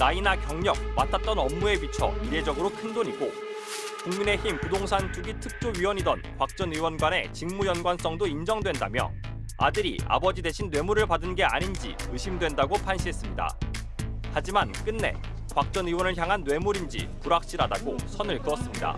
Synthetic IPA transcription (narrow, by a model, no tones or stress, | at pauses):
nainakjʌŋɲʌk̚matʰat̚t͈ʌnʌmːue̞bit͡ɕʰʌ̰iɾe̞d͡ʑʌɡɯɾokʰɯndoɲiɡo | kuŋmine̞çimkudoŋsʰant͡ɕ͈uɡitʰɯk̚t͡ɕ͈oɥiwʌɲidʌ̰nkwak̚t͡ɕ͈ʌnɯwʌnɡwane̞̰t͡ɕiŋmujʌnɡwans͈ʌŋdoind͡ʑʌŋdwe̞ndamjʌ̰ | a̰dɯɾḭa̰bʌd͡ʑide̞ɕʰinːwe̞muɾɯɭpadɯnɡe̞aɲind͡ʑḭɯɕʰimdwe̞ndaɡopʰanɕʰiɦe̞s͈ɯmɲida̰ | had͡ʑimank͈ɯnːe̞̰ | kwak̚t͡ɕ͈ʌnɯwʌnɯɭçjaŋɦanːwe̞muɾind͡ʑḭpuɾak̚ɕ͈iɾadaɡosʰʌnɯɭkɯʌs͈ɯmɲida̰